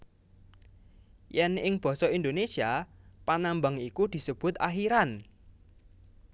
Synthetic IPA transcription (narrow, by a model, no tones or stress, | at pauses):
jɛnɪŋb̥ɔ̤sɔind̪onesiapanambaŋikud̪̥i̤səb̥ʊ̤t̪axiɾan